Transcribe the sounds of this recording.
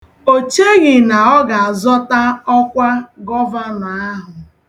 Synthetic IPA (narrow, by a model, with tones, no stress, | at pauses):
o˨t͡ʃe˦ɣɪ˨na˨ɔ˦ɡa˨a˨zɔ˦ta˦ɔ˦kʷa˦ɡɔ˦va˦na˨a˦ɦʊ˨